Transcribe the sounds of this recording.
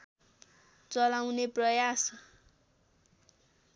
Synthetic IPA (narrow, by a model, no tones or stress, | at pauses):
t͡sʌlawneprʌjas